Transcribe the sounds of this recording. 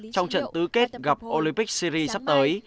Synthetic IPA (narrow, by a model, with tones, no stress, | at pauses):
t͡ɕɔ˧wŋ͡mt͡ɕə̰˧˨nt̪ɨ˨˦ke˦˥t̚ɣa˨˩p̚ʔo˧li˧mpi˦˥k̚si˧ɾi˧sa˦˥p̚t̪əː˨˦j